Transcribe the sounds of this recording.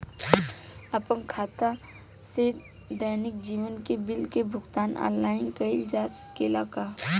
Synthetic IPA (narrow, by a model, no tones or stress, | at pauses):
ɐpənkʰaːt̪a | se | d̪əːnɪk̚d͡ʒiːwənkebɪlkebʱʊɡt̪aːnɔ̰ːnːaːɪnkɐild͡ʒaːskelaːkaː